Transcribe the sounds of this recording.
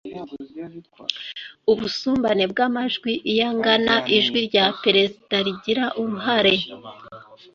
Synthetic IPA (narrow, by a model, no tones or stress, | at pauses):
uβusuːmbane̞bɡamaʒɡwiʔijaŋɡanaʔiʒɡwiɾɟapeɾe̞zidaɾiɟiɾaʔumuɦaɾe̞